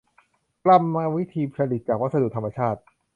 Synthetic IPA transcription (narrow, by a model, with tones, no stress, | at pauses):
kla˧˩mːaː˧wi˦˥t̪ʰiː˧pʰɾa˧li˨˩t̪̚t͡ɕaː˨˩k̚wa˦˥t̪̚sa˧du˨˩t̪ʰa˧ma˧t͡ɕʰaː˥˩t̪̚